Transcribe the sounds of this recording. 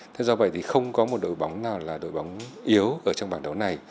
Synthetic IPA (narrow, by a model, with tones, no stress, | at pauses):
t̪ʰe˨˦zɔ˧və̰˧˨jt̪ʰi˨˩xə˧wŋ͡mkɔ˨˦mo˨˩t̚ɗo̰˧˨jɓa˨˦wŋ͡mnaː˨˩wlaː˨˩ɗo̰˧˨jɓa˨˦wŋ͡mʔi˨˦əwʔəː˧˩t͡ɕɔ˧ŋ͡mɓaː˧˩nɗə˨˦wna˨˩j